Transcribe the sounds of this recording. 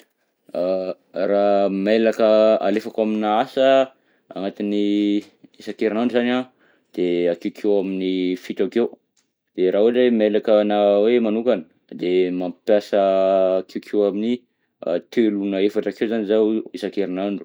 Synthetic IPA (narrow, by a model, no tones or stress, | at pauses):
a | ramelakəa̰lefakaminaasə | a̰ŋat̪ini | isakeɾinaɳɖ͡ʐuzana | d̪̥eakewkʰewaminifit̪akew | d̪̥eɾaɦuʈ͡ʂemelakənawemanukanə | d̪emampjasəːkʰewkʰewaminḭ | t̪elunəefaʈ͡ʂakewzanizaesakeɾinaɳɖ͡ʐu̥